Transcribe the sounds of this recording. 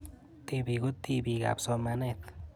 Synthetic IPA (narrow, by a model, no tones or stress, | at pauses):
t̪ebiɡut̪ːibiɡa̰bsɔmanet̪